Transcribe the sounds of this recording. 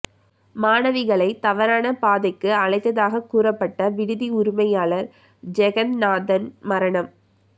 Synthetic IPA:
maːnɐʋɪɣɐɭɐɪt̪ɐʋɐɾaːnɐpaːðɐɪkːɯɐɭɐɪt̪ːɐðaːɣɐkuːrɐpːɐʈːɐʋɪɽɯðiʊɾɪmɐjaːɭɐɾ | d͡ʒɛɣɐnnaːðɐnmɐɾɐɳɐm

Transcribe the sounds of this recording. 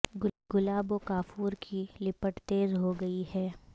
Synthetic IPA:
ɡʊlaːbokaːfuːɾkʰilɪpəʈt̪eːzɦoɡɐihɛː

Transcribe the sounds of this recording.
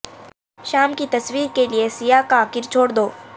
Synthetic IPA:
ʃaːmkit̪ɐswiːɾkeliesijakakɪɾt͡ʃʰoːɽd̪oː

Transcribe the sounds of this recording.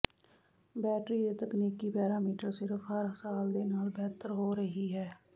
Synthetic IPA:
bɛːʈɾijet̪ɐkniːkːipɛːɾaːmiːʈəɾsɪɾəfɦɐɾsaːld̪enəlbɛɦt̪əɾɦoːɾɐɦiɦɛː

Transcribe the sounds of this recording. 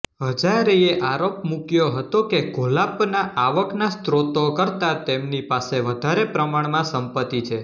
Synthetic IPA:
ɦəd͡ʒaɾeeʔaɾopmukjoɦət̪okeɡʱolapnaʔaʋəknast̪ɾot̪okəɾt̪at̪emnipaseʋəd̪ʱaɾepɾəmaɳmãsəmpət̪ːit͡ʃʰe

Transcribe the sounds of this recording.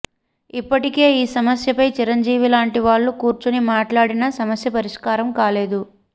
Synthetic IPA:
ipːɐʈike̞ːiːsɐmɐsjɐpɐjt͡ʃiɾɐɲd͡ʒiːʋilaːɳʈiʋaːɭːukuːɾt͡ʃunimaːʈlaːɽinɐsɐmɐsjɐpɐɾiʂkaːɾɐmkaːle̞ːd̪u

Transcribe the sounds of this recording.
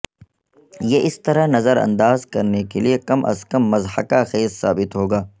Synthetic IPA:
jeʔɪst̪ɐɾanɐzəɾɐ̰̃nd̪aːzkɐɾnekeliekɐmʔɐ̰skɐmːɐzhɐkaxeːzsa̰ːbɪt̪ɦoːɡaː

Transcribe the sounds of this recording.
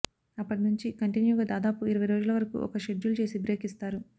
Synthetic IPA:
ɐpːɐʈinuɲt͡ʃikɐɳʈinjuːɡaːd̪aːd̪aːpuiɾɐʋɐjɾoːd͡ʒulɐʋɐɾɐkṵʔɔ̰kɐʃeɖd͡ʒulut͡ʃe̞ːsibɾe̞ːkist̪aːɾu

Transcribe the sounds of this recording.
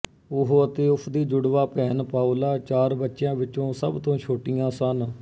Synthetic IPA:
ʊɦət̪eːʊpʰd̪iːd͡ʒʊɽʋaːpɛːnpaːolaːt͡ʃaːɾbətːʃjãːʋɪt͡ʃõːsəbt̪õːʃʰoːʈɪjãːsən

